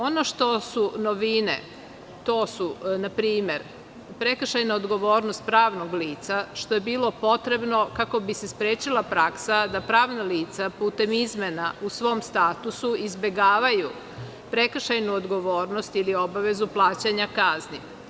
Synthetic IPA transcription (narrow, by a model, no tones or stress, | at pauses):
o̞no̞ʃt̪o̞suno̞ʋinḛ | t̪o̞ːsunapɾiːme̞ɾ | pɾekr̩ʃajnaod̪ɡo̞ʋo̞ːɾno̞st̪̚pɾaːʋno̞ɡliːt̪saʃt̪oje̞biːlo̞po̞t̪ɾe̞bno̞kako̞bisespɾeːt͡ʃilˠapɾaksad̪apɾaːʋnaliːt̪sapuːt̪e̞mizmenausʋo̞ːmst̪aːt̪usuizbe̞ɡaːʋaju | pɾek̩ʃajnuod̪ɡo̞ʋo̞ːɾno̞st̪ilio̞baʋe̞zuplˠaːt͡ɕaɲakazni